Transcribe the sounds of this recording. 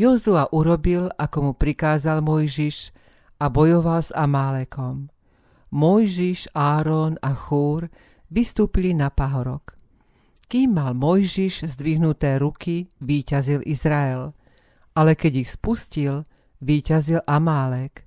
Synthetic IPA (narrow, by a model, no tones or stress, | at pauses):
jɔzuaʔuɾɔbilʔakɔmupɾikaːzalmɔjʒiʃ | ʔabɔjɔʋalza̰maːlɛkɔmː | ɔjʒiʒaːɾɔnaxuːɾ | ʋist̪uːpilinapaɦɔɾɔk | kiːmːalmɔjʒiʒzd̪ʋiɦnut̪ɛːɾukiʋiːcazilʔizɾaɛl | alɛkɛɟixspuscil | ʋiːcazilʔamaːlɛk